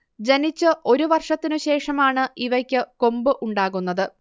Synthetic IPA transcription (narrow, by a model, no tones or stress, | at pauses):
d͡ʑenit͡ɕːɨʔo̞ɾuʋɐrʂɐt̪ːinɨɕe̞ːʂɐmaːɳɨiʋɐkʲːɨko̞mbɨʔuɳɖaːɣunːɐðɨ